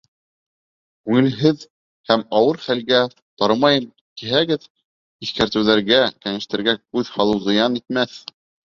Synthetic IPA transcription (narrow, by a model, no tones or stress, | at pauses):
kʉŋɘ̆lɦɘð | hæmɑwɤɾχælɡæ | t̪ɑɾɤmɑjɤn | kiɦæɡɘð | iθkæɾt̪ɘ̆wðæɾɡækæŋɘ̆ʃt̪ɘ̆ɾɡækʉðhɑlˠɤwzɤ̆jɑnit̪mæθ